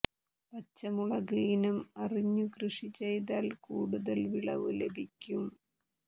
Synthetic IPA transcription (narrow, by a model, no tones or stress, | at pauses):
pɐt͡ɕːɐmuɭɐɡiːnɐmɐriɲːukrɨʂit͡ɕe̞jt̪aːlkuːɽuðɐlʋiɭɐ̰ʋɨlebʱikʲːum